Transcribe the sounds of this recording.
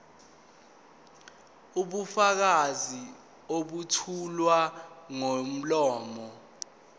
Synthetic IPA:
uɓufak̬azi | oɓutʰulwaŋom̩lɔːmɔ

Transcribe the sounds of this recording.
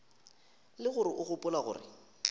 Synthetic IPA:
lɪɣʊɾɪʔʊɣʊpʼʊlaɣʊ̰ːrɪ̰

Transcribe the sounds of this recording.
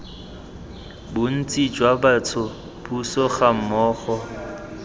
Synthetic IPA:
bʊn̩t͡sʼid͡ʒwabat͡sʰʊ | busɔχam̩mɔːχɔ

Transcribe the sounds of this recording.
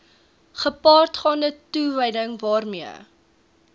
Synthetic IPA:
χəpɑːrtχɑːndətuvəjdəŋvɑːrmiə̰

